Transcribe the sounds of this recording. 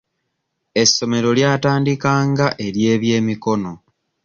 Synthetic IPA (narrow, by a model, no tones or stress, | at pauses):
e̞sːo̞me̞ɾo̞ljaːtaːndikaːŋɡaʔe̞ɾje̞ːβje̞ːmiko̞no̞